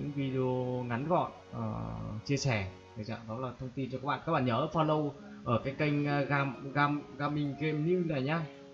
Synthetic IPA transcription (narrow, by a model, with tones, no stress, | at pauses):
ɲɨ̰˧˥ŋvi˧ɗi˧o˧ŋa˨˦nɣɔ̰˧˨n | ʔəː˨˩t͡ɕi˧əsɛ˧˩ | ə˨˩za̰ː˧˨mɗɔ˨˦laː˨˩t̪ʰə˧wŋ͡mt̪i˧nt͡ɕɔ˧kaː˦˥k̚ɓa̰ː˧˨aː˦˥k̚ɓa̰ː˧˨ɲəː˨˦˧faː˧lə˧w | ʔəː˧˩kaː˨˦jka˧jŋ̟ː˧ɣaː˧˩mɣaː˧mɣaː˧mï˨˧˩ŋ̟ɣe˧mnɨ˧naː˨˩jɲaː˧